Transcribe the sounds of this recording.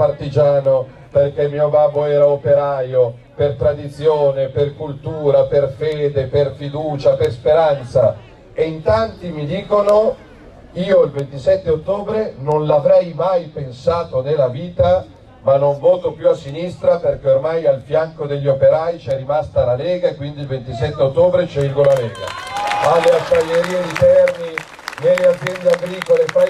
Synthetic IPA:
part̪id͡ʒaːno | perk̟emːiːobaboɛːɾaopeɾajo | pert̪ɾad̪it̪sjoːneperkult̪uːɾaperfeːd̪eperfid̪uːt͡ʃaperspeɾant̪sa | eint̪ant̪imid̪iːkono | iːoilvent̪isɛt̪ːeot̪ːoːbɾenonlavɾɛjmajpensaːt̪onelːaviːt̪a | manːoɱvoːt̪opjuasːinist̪ɾaperk̟eormajalfjaŋkod̪eʎːiopeɾajt͡ʃɛrːimast̪alaleːɡaekːwind̪ilvent̪isɛt̪ːeot̪ːoːbɾet͡ʃɛiriɡolameno̰alːeastɾaɲːeɾiːed̪it̪ɛrmi | nelːead̪zjɛnd̪eaɡɾiːkolefa

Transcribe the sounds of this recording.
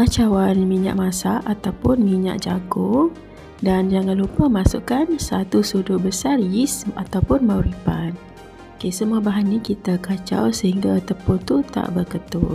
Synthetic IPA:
kat͡ʃawanmiɲa̰ʔmasaʔat̪awpʊnmiɲa̰ʔd͡ʒaɡʊ | dand͡ʒaŋanlupamasuʔkansat̪usudʊbəsarjisat̪awpʊnmawɾipan | okesəmuabaɦanikit̪akat͡ʃa̰wsəɦiŋɡat̪əpʊnt̪ut̪a̰ʔbərkət̪ʊl

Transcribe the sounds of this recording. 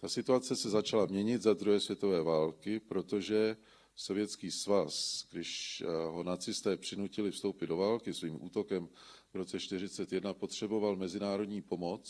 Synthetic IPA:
t̪asɪt̪uat͡sɛsɛzat͡ʃalamɲɛɲɪd̪zad̪ɾuɦɛːsvjɛt̪o̞vɛːvaːlkɪpɾo̞t̪o̞ʒɛ | so̞vjɛt͡skiːsvasɡdɪʃɦo̞nat͡sɪst̪ɛːpr̝̥ɪnucɪlɪfst̪o̞wpɪd̪do̞vaːlkɪsviːmʔṵːt̪o̞kɛmvɾo̞t͡sɛt͡ʃt̪ɪrɪt͡sɛt̪jɛdnapo̞t̪r̝̥ɛbo̞valmɛzɪnaːɾo̞dɲiːpo̞mo̞t͡s

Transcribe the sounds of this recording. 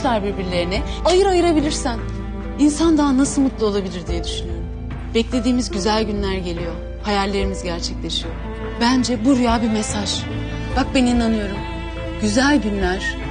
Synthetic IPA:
lˠaɾbiɾbiɾlʲe̞ɾinɛajɯɾajɯɾabilʲiɾsæn | insand̪anasɯlˠmut̪lˠuolˠabilʲiɾd̪ijɛd̪yʃynyjo̞ɾu | bɛclʲe̞d̪iːmizɟyzælʲɟynlʲæɾɟe̞lʲijo̞ | hajælʲːe̞ɾimizɟæɾt͡ʃʰɛclʲe̞ʃijo | bænd͡ʒɛbuɾujaːbimesaʒ̥ | b̥ak̚beninanɯjo̞ɾum | ɟ̥yzælʲɟynlʲæɾ̥

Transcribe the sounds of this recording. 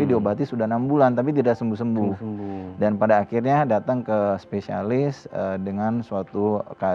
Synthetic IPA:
idiobat̪isudahnambulant̪ap̬it̪̬idasəmbus̬əmbudanpadaːkirɲadat̪aŋkəspesia̰lɪsədəŋansuat̪uka

